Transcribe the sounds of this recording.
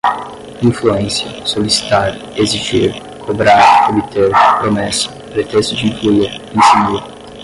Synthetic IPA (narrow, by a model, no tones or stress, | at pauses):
ĩfluẽsjɐsolisi̥t̪aɾ | eziʒiɾ | kʰobɾaɾobit̪eɾpɾomɛsɐ̥pɾet̪est̪ʊd͡ʒiĩfluieɾẽj̃siniɾ